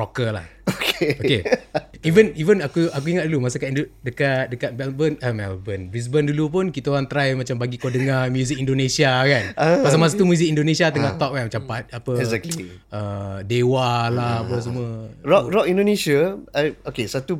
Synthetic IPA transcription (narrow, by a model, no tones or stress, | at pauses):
ɔkəlahokeokeivənivənakuʔak̬uiŋat̪̚dulumas̬akaiodəkat̪̚dəkat̪̚mɛlbənəmɛ̰lbənbɾis̬bəndulup̬ʊnkit̪aoɾaŋt̪ɾajmat͡ʃambaɡikodəŋamjuzik̚indonesiakanapas̬amasat̪umjuzik̚indonesiat̪əŋaʔt̪ɔk̚kanmat͡ʃampat̪̚apəɛzɛkli | ədewalahapəs̬əmuəɹɔkɾɔkĩndonesiaaokesat̪u